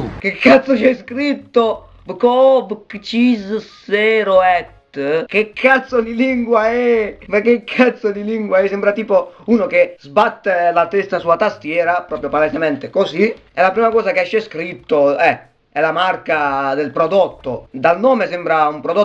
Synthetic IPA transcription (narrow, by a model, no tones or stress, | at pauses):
k̟ekʰːat̪sːot͡ʃɛskɾit̪ːo | vkɔvkt͡ʃizsɛɾoɛt̪ːk̟ekʰːat̪sod̪iliŋɡwaɛmekːekʰːat̪sːod̪iliŋɡwaɛsɛmbɾat̪iːpouːnokezbat̪ːelat̪ɛst̪asuat̪ast̪jɛːɾapɾɔːpɾjopalezemɛnt̪ekosi | ɛlapɾiːmakɔːsakɛʃːɛskɾit̪ːoɛ | ɛlamarkad̪elpɾod̪ot̪ːod̪alnɔːmesɛmbɾaumpɾod̪o